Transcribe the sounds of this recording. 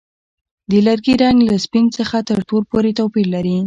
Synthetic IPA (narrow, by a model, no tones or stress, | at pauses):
d̪əlaɾɡiɾaŋɡlaspint͡səxat̪əɾʈolpoɾet̪awpiɾlaɾi